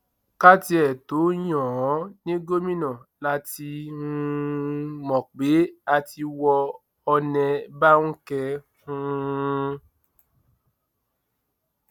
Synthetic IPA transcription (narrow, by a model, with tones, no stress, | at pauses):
ka˦ti˧ɛ˨to˨˦jɔ̃˨ɔ̃˨˦nĩ˦ɡo˦mĩ˦nɔ̃˨la˨˦ti˧ũ˧mɔ̃˨k͡pe˨˦a˧ti˧wɔ˧ | ɔ˧nɛ̃˧ba˦ŋ̩̃˦kɛ˧ | ũ˦